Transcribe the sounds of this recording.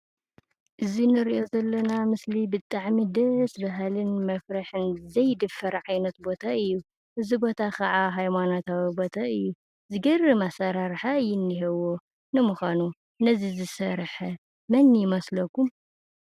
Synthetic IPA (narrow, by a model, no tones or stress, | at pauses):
ʔɨzinɨɾiʔo̞zɐlːɐnamɨslibɨt̪ʼaʕmid̪ɐsbɐɦalɨnmɐfɾaħɨnzɐjd̪ɨfːɐɾʕajnɐt̪bo̞t̪ʰaɨjːu | ʔɨzibo̞t̪ʰakʰɐʕaɦajmanot̪ʰawibo̞t̪ʰaɨjːu | zɨɡɐrɨmasɐɾaɾħajɪnːiɦewo | nɨmuxʷanu | nɐzizɨsɐɾħɐ | mɐnjɪmɐslɐkʰum